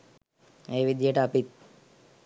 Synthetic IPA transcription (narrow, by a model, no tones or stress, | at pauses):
eːʋid̪jɐʈɐpit̪̚